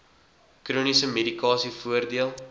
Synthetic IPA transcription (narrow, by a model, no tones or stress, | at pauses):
kruənisəmedikɑːsifuərdiəlˠ